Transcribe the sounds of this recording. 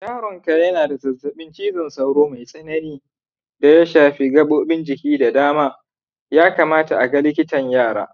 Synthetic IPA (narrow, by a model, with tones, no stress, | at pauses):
jaː˦ɽɔ˨ŋka˨jɐ˦naː˨da˨zɐ˨zɐ˨ɓɪ˦nt͡ʃiː˦zɐ˨nsɐ˦wɽoː˦ma˨jsʼɐ˦nɐ˦niː˦ | da˨ja˦ʃaː˨ɸiː˦ɡɐ˦ɓoː˦bɪ˦nd͡ʒɪ˨kʲiː˦da˨daː˦maː˦ | jaː˦kaː˨maː˦ta˨ʔa˨ɡa˦lɪ˦kʲɪ˦tɐ˨ɲjaː˦˨ɽa̰ː˨